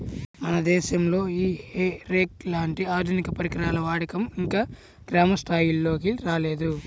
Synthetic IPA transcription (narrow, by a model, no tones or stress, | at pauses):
mɐnɐd̪ɛːʃɐmlo̞ːiːheɾeːklaːɳʈiaːd̪ʱunikɐpɐɾikɾaːlɐʋaːɽikɐmiŋkaː | ɡ̥ɾaːmɐsʈ̪ʰaːjilːo̞ːk̬iɾaːle̞ːd̪u